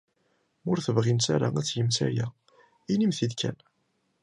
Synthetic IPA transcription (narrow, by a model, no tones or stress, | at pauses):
mʊɾθəvʁinsaɾaæt͡sːjəmsæ̰jæ | inimθiðkʰæ̰n